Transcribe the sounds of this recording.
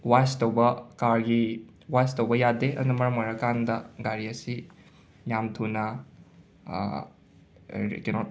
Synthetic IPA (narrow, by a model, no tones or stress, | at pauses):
wajstowbɐkaɾɡi | wajstowbɐjadeɐ̰nɐmɐɾɐmoɾɐkandɐɡaɾiɐsi | jamtʰunɐ̰ | kɛnɔt̚